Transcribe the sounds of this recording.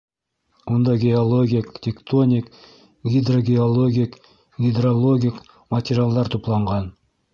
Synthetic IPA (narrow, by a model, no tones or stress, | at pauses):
wond̪ɑɡʲeolˠo̞ɡʲikt̪ʲʰekt̪o̞nʲik | ɡʲid̪ro̞ɡʲeolˠo̞ɡʲijk | ɡʲid̪rolˠo̞ɡʲijk | mat̪ʲeɾʲialˠd̪ɑɾt̪ʰoplˠɑɴʁɑn